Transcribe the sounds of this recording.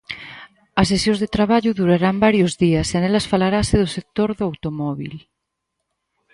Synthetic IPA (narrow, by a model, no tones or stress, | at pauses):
ɐs̬esjõnzðet̪ɾaβ̞aʎuðuɾaɾambaɾjozðiasanelasfalaɾaseðosek̚t̪oɾðoawt̪omɔβḭl